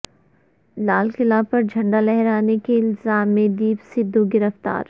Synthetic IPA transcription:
laːlkɪlapɐɾd͡ʒʱɐ̃ɳɖalɛɦɛɾaːnekeɪlzaːmːẽd̪iːpsɪd̪ʱːuɡɪɾəft̪a̰ːɾ

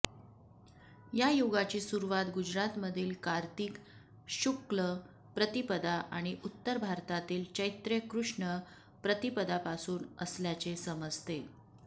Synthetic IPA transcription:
jajoɡat͡ɕiːsuɾuʋat̪ɡud͡ʑɾat̪məd̪ʱiːlkaɾt̪iːk | ɕuklə | pɾət̪ipəd̪aʔaɽ̃iʔut̪ːəɾbʱaɾt̪at̪iːlt͡ɕəjt̪ɾekɾuʂɳə | pɾət̪ipəd̪apasuːnəsljat͡ɕesəməd͡zt̪e

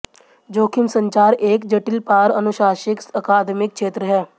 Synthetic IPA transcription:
d͡ʒoːkʰɪmsə̃ɲt͡ʃaːɾeːkd͡ʒəʈɪlpaːɾənʊʃaːʃɪksəkaːd̪mɪk̚ʃeːt̪ɾəɦɛː

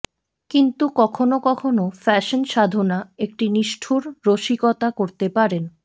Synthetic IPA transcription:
kint̪ukɔkʰonokɔkʰonofɛʃonʃad̪ʱonaek̚ʈiniʃʈʰuɾːoʃikɔt̪akoɾt̪epaɾen

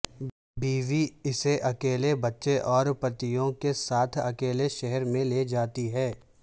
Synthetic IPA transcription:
biːʋiɪseʔɐkeːlebɐtːʃeʔɔːɾpɐt̪ijõkesaːt̪ʰɐkeːleʃɛɦɛɾmẽleːd͡ʒaːt̪iɦɛː

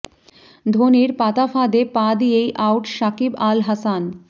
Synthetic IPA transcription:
d̪ʱoːniɾpaːt̪apʰaːd̪epaːd̪ijeiʔaːʊʈʃaːkibaːlɦɐsan

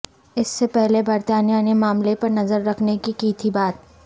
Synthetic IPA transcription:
ɪsːepɛɦlebɐɾt̪aːnijanemaːmlepɐɾnɐzəɾːɐkʰnekikit̪ʰibaːt̪̚

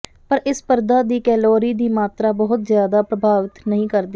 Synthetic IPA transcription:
pəɾʔɪspəɾd̪aːd̪iːkɛːloːɾiːd̪iːmaːt̪ɾaːbəɦʊt̪zjaːd̪aːpɾəbʱaːʋɪt̪nəɦĩːkəɾd̪iː

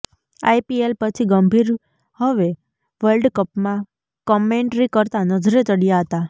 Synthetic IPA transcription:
a̰jpielpət͡ʃʰiɡəmbʱiɾ | həʋe | ʋəlɖkəpmã | kɔmeɳʈɾikəɾt̪anəd͡ʒɾet͡ʃəɽijaɦət̪a

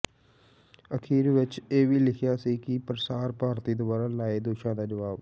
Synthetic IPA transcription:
əkʰiːɾʋɪt͡ʃeːʋiːlɪkʰjaːsiːkɪpəɾsaːɾpaːɾt̪iːd̪ʊbaːɾaːlaːeːd̪oːʃãːd̪aːd͡ʒəʋaːb

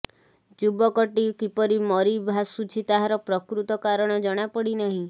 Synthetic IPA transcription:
d͡ʒubɔkɔʈikipɔɾimɔɾibʱasut͡ʃʰit̪aɦaɾɔpɾɔkɾut̪ɔkaɾɔɽ̃ɔd͡ʒɔɽ̃apɔɽinaɦĩ

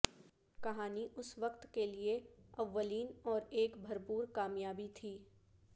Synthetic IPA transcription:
kɐɦaːniʔʊsʋɐkt̪kelieɐʋːəliːnɔːɾeːkbʱɐɾpuːɾkaːmjaːbit̪ʰiː

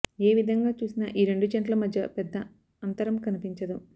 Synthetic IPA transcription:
eːʋid̪ʱɐŋɡaːt͡ʃuːsinɐʔiːɾe̞ɳɖut͡ʃɐɳʈlɐmɐd̪ʱjɐpɛd̪ːɐ | ɐnt̪ɐɾɐmkɐnipiɲt͡ʃɐd̪u

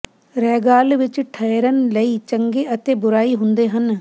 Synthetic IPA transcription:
ɾɛːɡaːlʋɪt͡ʃʈʰəjɾənləiːt͡ʃəŋɡeːət̪eːbʊɾaːiːɦʊ̃nd̪eːɦən

